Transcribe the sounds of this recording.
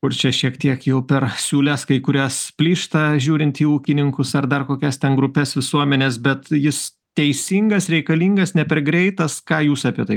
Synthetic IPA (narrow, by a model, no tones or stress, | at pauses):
kʊrt͡ʃʲɛʃʲiɛkt̪ʲiɛkjɛʊpʲɛrsʲuːlʲɛskɐɪkʊɾʲæspʲlʲiːʃt̪ɐʒʲuːɾʲɪnt̪ʲiːuːkʲɪnʲɪŋkʊsɐrd̪ɐrkoːkʲɛst̪ʲɛnɡɾʊpʲɛsʋʲɪsuɔmʲɛnʲeːsbʲɛt̪jɪs | t̪ʲɛɪsʲiŋɡɐsɾʲɛɪkɐlʲiːŋɡɐsnʲɛpʲɛrɡɾʲɛɪt̪ɐskɑːjuːsɑpʲiɛt̪ɐɪ